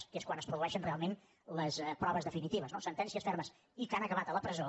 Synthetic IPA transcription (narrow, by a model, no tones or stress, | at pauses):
skeskwanəspɾuðuɛʃənrealˠmen | ləspɾɔβəzðəfinit̪iβəznosənt̪ɛnsiəsfɛɾməs | ikanəkəβat̪ələpɾəzo